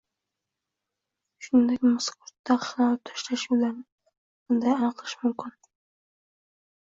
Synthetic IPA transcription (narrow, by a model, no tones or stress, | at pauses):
ʃʊnd̪akʲmʊskʊɾt̪ːaχlɑlt̪ʰʊ̥ʃlaʃulaɾnɪ | bʊnd̪ajanɨqʰlˠɪʃmʊmkʲɪn